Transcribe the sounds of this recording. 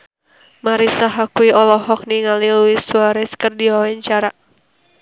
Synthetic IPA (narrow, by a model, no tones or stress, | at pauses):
maɾisaɦakuiɔlɔɦɔk̚niŋaliluisuaɾɛskərdiawɛɲt͡ʃaɾa